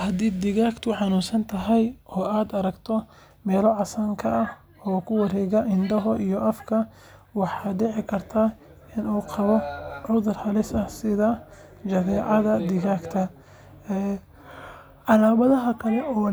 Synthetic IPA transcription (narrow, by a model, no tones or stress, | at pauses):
hɐd̪iːd̪ɪɣaːkt̪ʰʊħɑnʊːsɐnt̪ʰɐɦɐjʔɔːaːd̪ɐɾɐɡt̪ʰɔ | mɛːlɔʕɑsaːŋkʰɐːh | ɔːkʰʊwɐɾɛːɣɐʔɪnd̪ɐɦɔʔijɔʔɐfkʰɐ | wɑħɑːɖɛʕɪkʰɐrt̪ʰaː | ɪnuːqɑβɔʕʊðʊrhɐlɪsɐhsɪðɐ | d͡ʒɐðɛːʕɑðɐd̪ɪɣaːkt̪ʰɐ | ɛː | ɑlaːβɐðɐɦɐkʰɐlɛʔɔː